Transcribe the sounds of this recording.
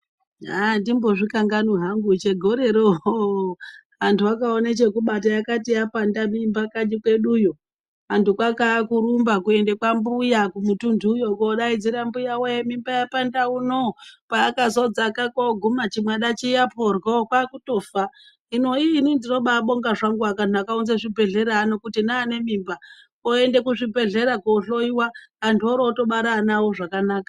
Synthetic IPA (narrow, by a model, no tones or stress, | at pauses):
ɦandimbo̞ʐikaŋɡanuɦaŋɡut͡ʃeɡʱoɾe̞ɾoo | antʰuakaonet͡ʃe̞kuɓatajakatijapandamimbakad͡ʒikwe̞ɗujo | antukwakakuɾumbakuendekwambujakumutundʱuːjokoɗaid͡ziɾambujawemimbajapandaunopaːkazod͡zakakoɡʱumat͡ʃimwaɗat͡ʃijapʰorɡokwakuto̞ːfa | ino̞iːninzinoɓaɓo̞ŋɡaʐaŋɡuakantuakaunzaʐibʱe̞ɮe̞ɾaːno̞kutinaːne̞mimba | oe̞nde̞kuʐibʱe̞ɮe̞ɾakoːɬo̞iwaːntʰuoɾoto̞ɓaɾanawo̞ʐakanaːkḁ